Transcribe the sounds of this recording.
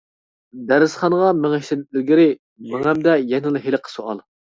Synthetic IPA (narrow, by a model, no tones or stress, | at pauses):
d̪æɾɪsχɑnəʁɑmɪŋɛʃt̪ɪnɪt̪̚lɪɾɡʲɪɾɪ | mɪŋɛmd̪ɛjɛnɨlˠɨɦeləqʰə̥soɑ̰lˠ